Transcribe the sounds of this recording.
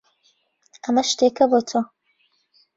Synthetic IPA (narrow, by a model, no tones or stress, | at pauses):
ɐmɐʃt̪ekɐbotʰo